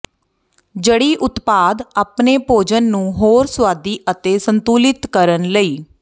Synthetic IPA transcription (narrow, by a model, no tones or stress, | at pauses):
d͡ʒəɽiːʔʊt̪paːd̪aːpneːpoːd͡ʒənːũːɦoːɾswaːd̪iːʔət̪eːsənt̪uːlɪt̪kəɾənləiː